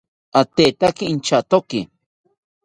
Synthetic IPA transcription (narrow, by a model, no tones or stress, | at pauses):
at̪et̪akiint͡ʃat̪oki